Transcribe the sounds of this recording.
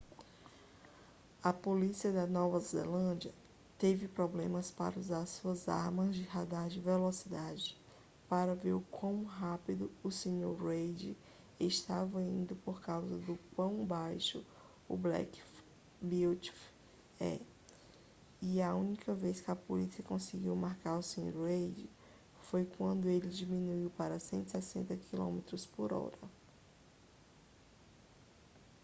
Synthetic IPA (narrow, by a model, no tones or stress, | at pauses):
ɐpolisiɐd̪ɐnɔvɐzḛlɐ̃d͡ʒɐ | t̪evɪpɾɔblẽmɐspa̰ɾɐuzaɾɐsuɐza̰ɾmɐzd͡ʒɪɦad̪aɾd͡ʒɪvelɔsid̪ad͡ʒɪ | paɾɐveɾkwɐ̃w̃ɦapid̪ʊʊsẽɲoɾɾejd͡ʒɪ | eʃt̪avɐḭ̃nd̪ʊpoɾkawzɐd̪ʊkwɐ̃w̃bajʃʊ | ʊ̰blɛ̰k | biwt͡ʃf | ɛ̰ | iɐũnikɐvejskɪɐpolisiɐkõsɪɡiwmaɾkaɾʊsẽɲo̰ɾwejd͡ʒɪ | fojkwɐ̃nd̪ʊelɪd͡ʒimĩnuiwpaɾɐsẽnt̪ɪ̥sɛsẽnt̪ɐkʰilõ̰met̪ɾʊspoɾɔ̰ɾɐ